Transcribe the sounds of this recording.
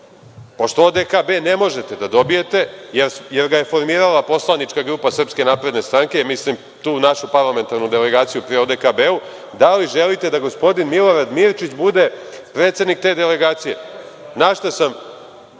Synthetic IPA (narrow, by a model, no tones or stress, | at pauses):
po̞ʃt̪ood̪ekabe̞ne̞mo̞ʒe̞t̪e̞d̪ad̪o̞bije̞t̪e̞jeɾje̞ɾɡaje̞fo̞ɾmiːɾalapo̞slˠanit͡ʃkaɡɾuːpasr̩pske̞naːpɾe̞d̪ne̞st̪ɾaŋkemislim | t̪uːnaʃupaɾlˠame̞nt̪aɾnud̪ele̞ɡaːt̪sijupɾiod̪ekabeu | d̪aliʒe̞lit̪e̞d̪aɡo̞spo̞d̪inmilˠo̞ɾad̪miɾt͡ʃit͡ɕbud̪e̞pɾet̪se̞d̪nik̚t̪e̞d̪ele̞ɡaːt̪sije̞ | naʃt̪asam